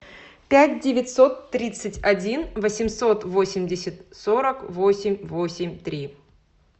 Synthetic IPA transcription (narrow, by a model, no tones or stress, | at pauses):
pʲæt̚ʲdʲɪvʲɪtʲso̞t̪ːɾʲit̪sɨtʲɐdʲinvəsʲɪmso̞t̪vo̞sʲɪmʲdʲɪsʲɪt̪soɾəkvosʲɪmʲvosʲɪmʲt̪ɾʲi